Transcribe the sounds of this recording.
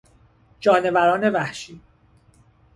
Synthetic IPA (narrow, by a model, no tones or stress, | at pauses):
d͡ʒɒːne̞væɾɒːne̞væhʃiː